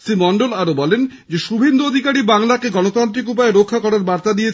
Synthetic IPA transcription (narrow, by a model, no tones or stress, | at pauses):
simɔɳɖolaɾobɔlen | d͡ʑeʃubʱend̪uod̪ʱikaɽibaŋlakeɡɔnot̪ɔnt̪ɾikup̬aeɾokʰːakɔɾaɾbaɾt̪ad̪ije